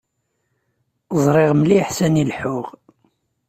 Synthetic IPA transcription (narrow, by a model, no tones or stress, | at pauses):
zˤɾˤɪʁmliħsænilħʊʁ